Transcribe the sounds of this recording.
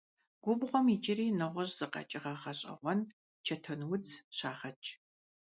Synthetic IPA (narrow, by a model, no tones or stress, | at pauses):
ɡ̥ʷʊbʁʷɔmit͡ʃɪriːnɨʁʷɔɕz̥ɨqɐ̰t͡ʃʼɪʁɐʁɐɕʼɐ̰ʁʷɔn | t͡ʃʰɐtʰɐnwʊt͡sʰɕaːχɐt͡ʃʼ